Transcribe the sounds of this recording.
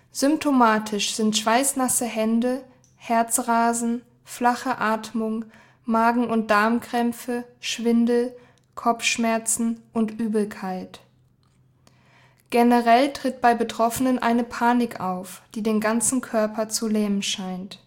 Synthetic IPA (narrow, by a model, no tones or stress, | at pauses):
z̥ʏmp̚tʰomaːtʰɪʃz̥ɪntʃv̥aɪsnasəɦɛndə | hɛɐt͡sʁaːzn̩ | flaχəʔaːtmʊŋ | maːɡŋ̩ʊnt̚d̥aɐmkʁ̥ɛmfəʃv̥ɪndl̩ | kʰɔp͡fʃmɛɐt͡sn̩ʔʊntʔyːbl̩kʰaɪt | ɡ̥enəʁɛltʁ̥ɪt̚b̥aɪbətʁ̥ɔfənənʔa̰ɪnəpʰaːnɪkʔaʊfd̥iːdeːnɡant͡sn̩kʰœɐpʰɐt͡sulɛːmənʃaɪnt